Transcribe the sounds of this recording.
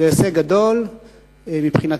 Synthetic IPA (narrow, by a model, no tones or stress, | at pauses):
ejaseɡad̪o̞l | mipχina